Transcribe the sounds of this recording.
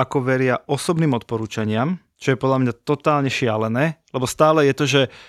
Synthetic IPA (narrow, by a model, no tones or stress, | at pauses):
akɔʋɛɾɪaʔɔsɔbniːmɔt̪̚pɔɾuːt͡ʃaɲɪam | t͡ʃɔjɛpɔd̪ʎamɲat̪ɔt̪aːlɲɛʃɪalɛnɛːlɛbɔst̪aːlɛjɛt̪ɔʒɛ